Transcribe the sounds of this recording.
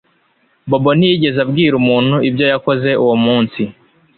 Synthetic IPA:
bo̞bon̥ijiɟe̞zabɡiːɾumuːn̥huibjo̞jako̞ze̞uwomuːnsi

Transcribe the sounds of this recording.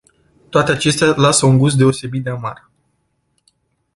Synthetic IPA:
t̪oat̪e̞at͡ʃe̞st̪ealasəuŋɡus̬t̪̚d̪eo̞se̞bit̪d̪eamar

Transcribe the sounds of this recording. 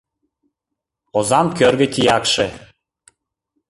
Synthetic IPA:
ozɑmkørɣə̆t̪ʲijɑkʃe

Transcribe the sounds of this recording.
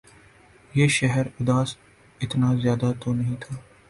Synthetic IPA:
jeːʃɛɦəɾʊd̪aːs | ɪt̪nazjaːd̪at̪ʰonɐɦĩːt̪ʰaː

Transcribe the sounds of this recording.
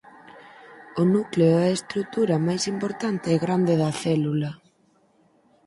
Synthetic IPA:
ʊnukleoɛest̪ɾuk̚t̪uɾɐmajsimpoɾt̪ant̪eːɣɾand̪eðɐθɛlulɐ

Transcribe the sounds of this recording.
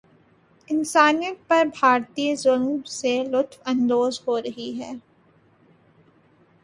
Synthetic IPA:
ɪnsaːnijət̪̚pɐɾbʱaːɾt̪iːzʊlmselʊt̪ʰwɐ̃nd̪oːzɦoːɾɐɦiɦɛː

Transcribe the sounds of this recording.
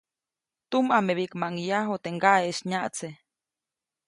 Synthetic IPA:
t̪umameβiʔkmaŋjaɦot̪eŋɡaʔeʃɲaʔt͡se

